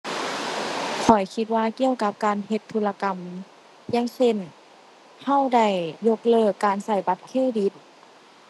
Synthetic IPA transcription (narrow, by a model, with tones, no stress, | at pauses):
kʰɔ˨˩jkʰi˧t̪̚waː˧ki˧˨əwka˧˦p̚kaː˨˧nɦe˧t̪ʰːu˧˥la˧ka˨m | jaː˧˥˨ŋse˧˥˩n | ha˧˥˩wda˧˩jːo˧˥k̚lɤː˧˩kːaː˨nsa˧˩jba˧t̪̚kʰeː˧˥˩di˧˦t̪̚